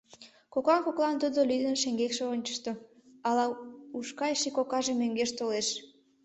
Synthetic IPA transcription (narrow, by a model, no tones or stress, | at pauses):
kokɑnkoklɑnt̪ud̪olyd̪ənʃeŋɡekʃeonʲt͡ɕə̥ʃt̪o | ɑlɑuʃkɑjʃikokɑʒemøŋɡeʃt̪oleʃ